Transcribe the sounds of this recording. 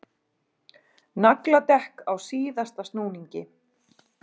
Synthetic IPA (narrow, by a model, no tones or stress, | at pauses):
naklat̪ɛhkawsiːðast̪ast̪nuːniɲcɪ